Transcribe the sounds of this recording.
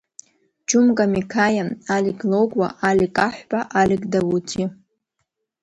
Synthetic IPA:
d͡ʒʊmkʼamikʰajaaliɡʼlowɡʷʼwa̰ʔalʲikʼaħʷbʼaʔalɪɡʼdawutʰi

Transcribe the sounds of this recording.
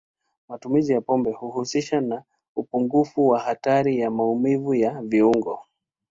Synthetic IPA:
matumizijapɔmbɛhuhusiʃana | upuŋɡufuwaɦataɾijamaumivujaviuŋɡɔ

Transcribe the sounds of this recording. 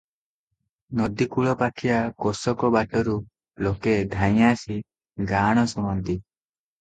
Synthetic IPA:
nɔd̪ikuɭɔpakʰiakɔsɔkɔbaʈɔɾu | loked̪ʱaj̃asi | ɡaɽ̃ɔsumɔnt̪i

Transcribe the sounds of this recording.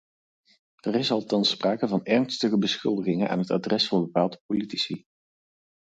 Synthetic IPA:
ərɪsɑlˠtɑnspraːkəvɑnɛrnstəχəbəsχʏlˠdəχɪŋənʔa̰ːnɦəta̰drɛsfɑːnbəpaːlˠdəpolitisi

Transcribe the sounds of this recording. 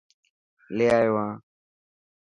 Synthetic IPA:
leːaːjoʋãː

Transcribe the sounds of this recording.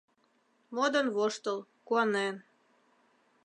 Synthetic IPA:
mod̪ə̆nβoʃt̪ə̆l | kuɑnen

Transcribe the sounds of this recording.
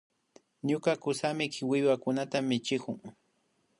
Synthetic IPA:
ɲʊkakʊsamɪkɪwɪwakʊnat̪amɪt͡ʃɪkʊŋ

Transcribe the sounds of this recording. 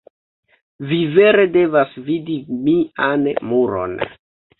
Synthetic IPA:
vive̞ɾe̞de̞vasvidimiʔanmuɾo̰n

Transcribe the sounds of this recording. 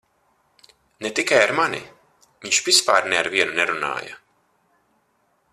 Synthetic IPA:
net̪ikajaɾmanʲḭ | viɲʃvispaːɾnɛaɾviɛnunɛɾuna̰ːjɐ̰

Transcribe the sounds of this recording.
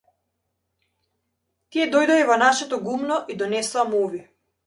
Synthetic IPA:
t̪iɛd̪ɔjd̪ɔivɔnaʃɛt̪ɔɡumnɔʔid̪ɔnɛsamɔvi

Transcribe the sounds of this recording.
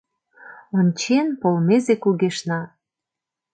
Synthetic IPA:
onʲt͡ɕenpolmezekuɣeʃnɑ

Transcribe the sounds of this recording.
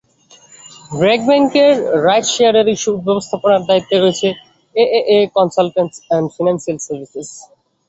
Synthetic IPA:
bɾɛɡ̚bɛŋkeɾːajd͡ʑʃeaɾeɾiʃubɛbost̪ʰaponaɾd̪ait̪ːeɦoet͡ɕʰe | eʔeʔekɔnsalʈensɛnfanansialsaɾbises

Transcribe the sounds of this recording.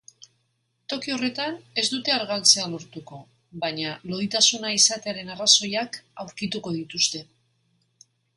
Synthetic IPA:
t̪o̞kio̞re̞t̪ane̞zd̪ut̪e̞aɾɣalt͡se̞alo̞ɾt̪uko̞ | βaɲalo̞ðit̪asunaisat̪e̞aɾe̞naraso̞jakawɾkit̪uko̞ð̞it̪ust̪e̞

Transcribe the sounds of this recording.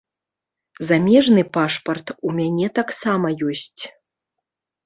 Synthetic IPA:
zamʲɛʐnɨpaʂpɐrt̪umʲanʲɛt̪aksamɐjɔsʲt͡sʲ

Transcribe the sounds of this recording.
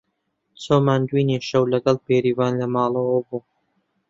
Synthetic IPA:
t͡soːmaːnd̪wiːniʃɐwlɐɡɐlˠpeːɾiːvɑːnlɐmɑːlˠəwɐbuː

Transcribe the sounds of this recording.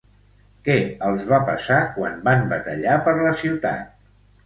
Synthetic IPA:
kɛəlˠzβapəsakwa̰mbambət̪əʎapəɾləsiwt̪a̰t̪̚

